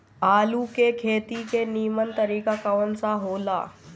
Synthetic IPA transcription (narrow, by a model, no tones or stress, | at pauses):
aːlukekʰeːt̪ikeniːmənt̪əɾiːkakaʋənt͡saɦola̰